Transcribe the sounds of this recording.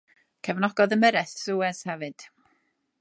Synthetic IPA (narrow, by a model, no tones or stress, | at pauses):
kʰɛvnɔɡɔðənmɛɾɛθsuɛshɛvɨd̥